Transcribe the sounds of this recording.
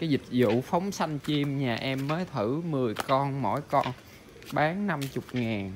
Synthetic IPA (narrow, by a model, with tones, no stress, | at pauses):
kaː˨˦jzï˨˩k̟̚zṵ˧˨fa˨˦wŋ͡msa˧jŋt͡ɕi˧mɲaː˨˩ʔɛ˧mːəː˨˦jt̪ʰɨ˧˩mɨ˨˩əjkɔ˧nmo̰˧˥jkɔ˧n | ɓaː˨˦nna˧mt͡ɕʊ˨˩k͡p̚ŋaː˨˩n